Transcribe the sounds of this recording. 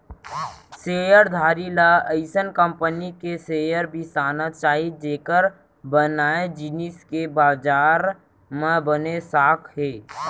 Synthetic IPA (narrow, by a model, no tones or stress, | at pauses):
seːjəɾd̪ʱaːɾilaəɪsənkə̃mpənikeseːjəɾbʱisaːnət̪t͡ʃaːɦid͡ʒeːkəɾ | bənaːed͡ʒɪniskebaːd͡ʒaːɾ | mẽbənesaːkʰɦeː